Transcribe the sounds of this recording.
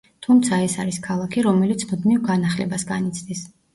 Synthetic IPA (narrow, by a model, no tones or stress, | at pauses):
t̪ʰumt̪sʰaɛsaɾiskʰalˠakʰiɾɔmɛlit̪sʰmud̪nivɡanaχlɛbasɡanit̪sʰd̪is